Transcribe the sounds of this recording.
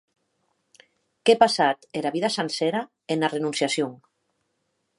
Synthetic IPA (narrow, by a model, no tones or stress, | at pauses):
kepasat̪eɾaβiðasanseɾa | enarenunsjasjuŋ